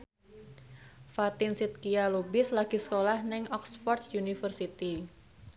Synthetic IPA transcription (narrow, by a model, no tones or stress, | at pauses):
fat̪ɪnsit̪̚kialubɪslaɡ̥isə̥kolahnɛŋɔksfɔrt̪̚junifərsit̪i